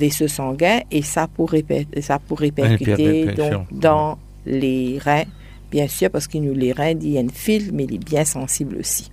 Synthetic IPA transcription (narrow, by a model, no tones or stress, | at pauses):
vɛsəsɑ̃ɡɛ̃ʔesapuʁepɛsapuʁːepɛʁkyt̪ed̪ɔ̃kd̪ɑ̃ | leʁɛ̃ | b̥jɛ̃syʁpaʁsə̥kinuleʁɛ̃d̪ijaynfilmɛilɛbjɛ̃sɑ̃siblo̰si̥